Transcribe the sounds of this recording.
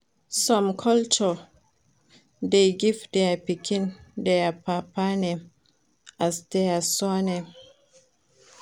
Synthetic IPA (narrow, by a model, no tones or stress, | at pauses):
sɔ̃mkʰɔlt͡ʃɔ | deɡivdɛpikʰĩndɛapapanɛm | ʔasdɛasɔnɛ̃m